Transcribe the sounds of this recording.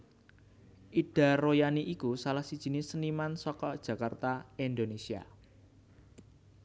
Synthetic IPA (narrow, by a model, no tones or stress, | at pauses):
ʔiɖ̥a̤rojaniʔikusalahsid̥ʒ̥i̤nɪsənimansɔkɔd̥ʒ̥ä̤kart̪aind̪onesia̰